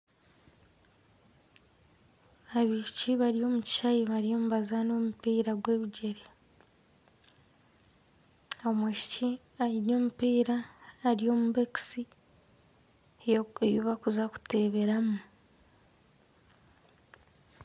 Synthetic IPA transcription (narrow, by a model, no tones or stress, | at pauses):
aβiʃi̥ciβaɾio̞ːmuci̥ʃajiβaɾijo̞ːmuβazano̞ːmupiːɾaɡwe̞ːβiɟe̞ɾe | aomweʃi̥ci | ajiɾo̞ːmupiːɾaːɾijo̞muβeki̥si | eβjoβakuzaku̥te̞βe̞ɾamu